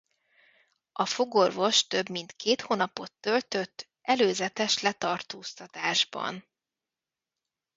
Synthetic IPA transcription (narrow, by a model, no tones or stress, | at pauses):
ɒfoɡo̞rvo̞ʃt̪ø̞bmint̪keːt̪hoːnɒpo̞t̪ːø̞lt̪ø̞t̪ː | ʔɛløːzɛt̪ɛʃlɛt̪ɒrt̪oːst̪ɒt̪aːʒbɒ̰n